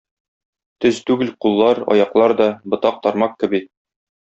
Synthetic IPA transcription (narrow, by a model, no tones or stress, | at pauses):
t̪ɵzt̪ʉɡɘlqulˠːɑɾɒ̰jɑqlˠɑɾd̪ɒbŏt̪ɑq̚t̪ɒɾmɑq̚kɘ̆bi